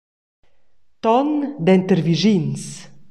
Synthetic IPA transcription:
t̪ɔnd̪ɛnt̪əɾviʒins

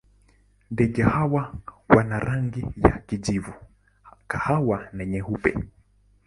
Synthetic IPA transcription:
ndɛʄahawawanaɾaŋɡija̰kiʄivu | kahawanɛɲɛhupɛ̰

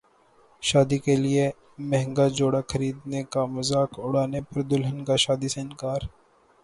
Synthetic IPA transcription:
ʃaːd̪ikelie | mɛɦŋɡad͡ʒoːɽaxʰɐɾiːd̪nekamɐzaːkʊɽ̤aːnepɐɾd̪ʊlɦənkaʃaːd̪iseɪnkaːɾ

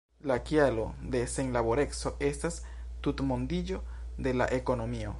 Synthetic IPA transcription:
lakjalo̞d̪e̞seŋlaβoɾe̞kso̞e̞stas | t̪ut̪mond̪id͡ʒo̞ | d̪e̞la̰ʔeko̞no̞mio̞

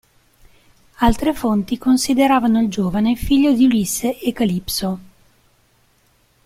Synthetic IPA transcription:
alt̪ɾefont̪ikonsid̪eɾaːvanoild͡ʒoːvanefiʎːod̪iuliseʔekalipso

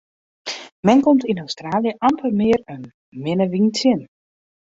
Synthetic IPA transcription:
mɛnkomtinawstraːljəʔampʰərmɪəɾən | mɪnəʋiŋtʰɪn

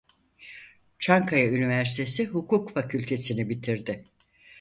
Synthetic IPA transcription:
t͡ʃʰaŋkʰajaynivæɾsi̥t̪ʰe̞siɦukʰukfacʰylʲt̪ʰe̞sinibit̪ʰiɾd̪ɪ

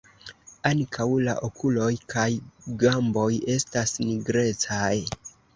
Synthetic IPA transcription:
aŋkʰawla̰ʔo̞kʰulo̞jkajɡambo̞je̞stasniɡɾe̞t͡saj

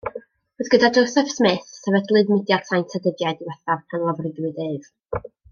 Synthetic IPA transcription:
roðɡədadɔwsɛfsmeːθːɛvɛdlˠɨdmɪdjarsʰajntʰədədjadiwɛθavkʰanlˠavrɪdwɨdeːv̥

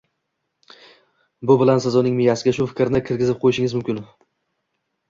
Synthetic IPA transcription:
bʊbɪlansɪzʊnɪŋmɪjasɪɡʲaʃʊfɪ̥kʲɾnɪkʲʰɪɾɡʲɪzɪp̚qʰojɪʃɪŋɪzmʊmkʲɪn

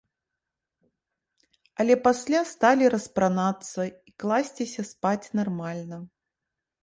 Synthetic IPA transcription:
ɐlʲɛpasʲlʲast̪alʲiɾɐspɾanat̪sːɐiklˠasʲt͡sʲisʲɐspat͡sʲnarmalʲnɐ

